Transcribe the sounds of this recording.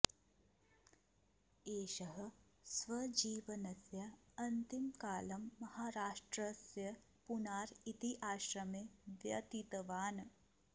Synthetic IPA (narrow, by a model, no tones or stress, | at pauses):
eːʃɐɦɐ̆sʋɐd͡ʒiːʋɐnɐsjɐɐnt̪imkaːlɐmːɐhaːɾaːʃʈɾɐsjɐ | punaːɾit̪iʔaːʃɾɐmeʋjɐt̪it̪ɐʋaːn